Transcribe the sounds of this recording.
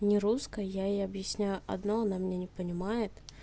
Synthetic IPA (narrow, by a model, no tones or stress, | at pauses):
nʲɪɾuskəjaejɐbjɪsʲnʲæjʊʔɐ̰d̪noɐnamnʲenʲɪpənʲɪmajɪt̪